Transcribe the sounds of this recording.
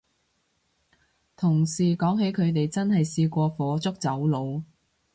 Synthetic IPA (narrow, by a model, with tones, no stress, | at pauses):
t̪ʰʊ˨˩ŋsiː˨˩kɔː˨˥ŋɦe˨˥jkʰɵ˨˧ɥt̪e˨jt͡sɐ˥nhɐ˨jsiː˧kʷɔː˧fɔː˨˥t͡sʊ˥k̚t͡sɐ˨˥wlo˨˧w